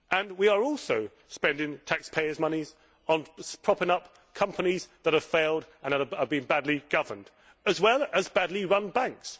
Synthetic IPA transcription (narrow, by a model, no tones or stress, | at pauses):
ʔə̃nwiə˞ɔlˠsoʊ | spɛ̃ndɪ̃ŋtʰækspʰeɪəzmʌniz | ə̃nspʰɹ̥ɑpɪ̃ŋʌp | kʰʌ̃mpənizðət̚əv̥feɪlˠdə̃nðətəəvbɨ̃nbædˡliɡ̥ʌvənd̥ | ɨzwɛlˠəzbædˡliɹʌ̃nbæ̃ŋks